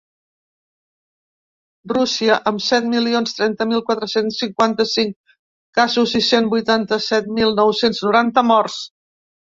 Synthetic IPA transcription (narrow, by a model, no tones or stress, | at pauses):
rusiəʔəmsɛt̪̚milionst̪ɾɛnt̪əmilˠkwat̪ɾəsensːiŋkwant̪əsiŋk | kazuzisenbujt̪ant̪əsɛt̪̚milˠnɔwsenznuɾant̪əmɔrs